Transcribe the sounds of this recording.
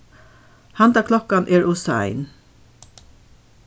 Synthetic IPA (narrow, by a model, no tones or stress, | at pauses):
hant̪akʰlɔkanʔɛːɹʊsa̰ɪn